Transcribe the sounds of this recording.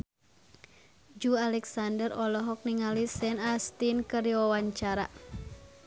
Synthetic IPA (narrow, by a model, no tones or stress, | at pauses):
d͡ʒualɛksandərɔlɔɦɔk̚niŋalisɛnast̪inkəɾiwawaɲt͡ʃaɾa̰